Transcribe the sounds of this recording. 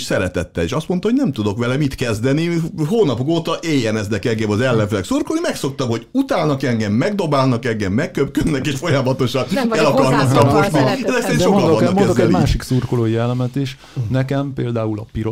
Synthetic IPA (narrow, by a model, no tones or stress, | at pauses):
ʃsɛɾɛt̪ɛt̪ːɛleːʃɒst̪mo̞nt̪ɒhonɛmt̪ud̪o̞kʋɛlɛmit̪kɛzd̪ɛniɦoːnɒpokoːt̪ɒʔeːjːɛnɛznɛkɛŋɡɛmɒzɛlːɛɱfɛlɛksurkolnimɛkso̞k̚t̪ɒmho̞ɟut̪aːlnɒkɛŋɡɛmːɛɡd̪o̞baːlnɒkɛŋɡɛmːɛkːøpkød̪nɛkeːʃfo̞jɒmɒt̪o̞ʃɒnɛlɒkɒrnɒkrɒpo̞ʃt̪niɛzɛksɛɾinʃokkɒlɔkɛozdɛnimaːʃiksurkoloːjɛlːɛmɛt̪iʃ | nɛkɛmpeːld̪aːulɒpiɾo